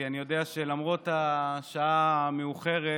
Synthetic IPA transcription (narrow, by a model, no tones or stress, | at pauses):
anijo̞deaʃelamʁo̞taʃaameuχe̞ʁe